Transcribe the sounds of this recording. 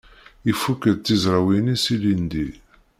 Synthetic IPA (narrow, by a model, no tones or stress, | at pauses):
ifːukːəd̪̚t͡s̪ːizɾˤɑwinisilind̪i